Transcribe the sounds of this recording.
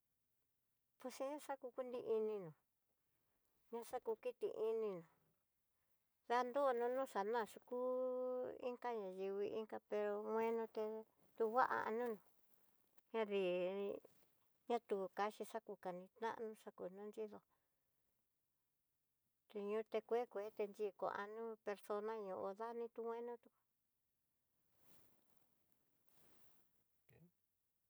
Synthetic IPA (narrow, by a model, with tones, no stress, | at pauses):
po˧sĩ˦ʂa˦ku˧ku˦nd̪i˧ʔi˧nĩ˧nũ˨ | ɲã˧ʂa˦ku˧ki˦t̪ḭ˧ʔi˧nĩ˧nũ˨ | ða˧˦nd̪o˦˧nũ˦˧nũ˦ʂa˨nã˦˨ʂu˧ku˦ | ḭ˦ŋka˦ɲã˨ji˧βi˧ʔi˦ŋka˧pe˧ɾo˧mwẽ˦nũ˧t̪e˧ | t̪u˧βa˦ʔa̰˧ʔa̰˧nũ˦nũ˨ | ɲã˦ði˨ḭ˧ | ɲã˦t̪u˨ka˧ʃi˧ʂa˦ku˧ka˨nĩ˧t̪nã̰˦ʔnũ˦ʂa˦ku˨nũ˦nd͡ʒi˦ðo˧ | t̪e˧ɲũ˧t̪e˧kʷe˦kʷe˨˦t̪e˧nd͡ʒi˧ko̰˨a̰˧nũ˦pe˧ɾso˧nã˦ɲũ˧ʔo˧ða˦nĩ˧t̪u˧ŋw̃ẽ˦nũ˦t̪u˧ku̥˧